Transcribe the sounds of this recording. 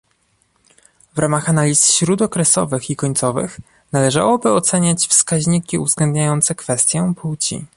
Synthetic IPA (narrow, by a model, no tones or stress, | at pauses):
vɾʔamaxanalʲisɕɾud̪ɔkɾɛsɔ̰vɘxikɔɲt̪sɔvɘ̰x | nalɛʐa̰wɔbɘɔt̪sɛɲat͡ɕfskaʑɲikʲiuvzɡlɛnd̪ɲajɔnt̪sɛkfɛst̪ʲjɔ̃pʰuwt͡ɕḭ